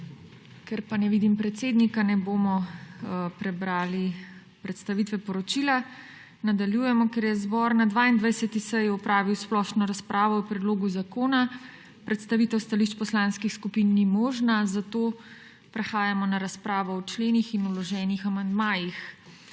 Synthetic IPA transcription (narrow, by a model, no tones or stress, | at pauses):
kɛɾpanɛʋid̪impɾɛt̪seːd̪nikanɛboːmɔ | pɾɛbɾaːli | pɾɛt̪st̪aʋit̪ʋɛpɔɾɔt͡ʃila | nad̪aljuːjɛmɔkɛɾjɛzbɔɾnad̪ʋaːind̪ʋajsɛt̪isɛjɔpɾaːʋiwsplɔʃnɔɾaspɾʔaːʋɔɔpɾɛd̪loːɡuzakoːna | pɾɛt̪st̪aʋit̪ɛwst̪aliʃt͡ʃpɔslanskixskupinːimɔːʒnazat̪o | pɾɛxaːjamɔnaɾaspɾaːʋɔɔt͡ʃleːnixinulɔʒɛːnixamand̪maːjix